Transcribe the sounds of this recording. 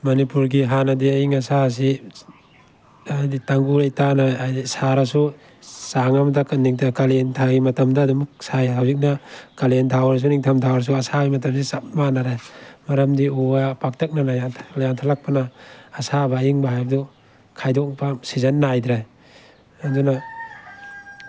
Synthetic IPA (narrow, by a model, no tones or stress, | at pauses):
manipuɾɡiɦanadiaiŋasas̬i | ajditaŋɡuɾajtanaajdisaɾasu | saŋamadakɯnːiŋtʰakalentʰaimatamdadumsajawzik̚nakalentʰawɾas̬uniŋtʰamtʰawaɾs̬uasaijmat̬ams̬isat̚manaɾemaɾamdiuapak̚tek̚nalajatʰlajantʰalak̚panaːsabaiŋbaɦajbdɔ | kʰajdɔk̚pʰamsizanːajdɾaj | anduna